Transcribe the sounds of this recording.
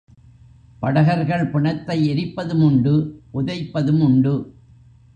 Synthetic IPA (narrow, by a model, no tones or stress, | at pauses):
pɐɽɐɣɐɾɣɐɭpɪɳɐt̪ːɐɪɛɾɪpːɐðɯmʊɳɖɯʔʊðɐɪpːɐðɯmʊɳɖɯ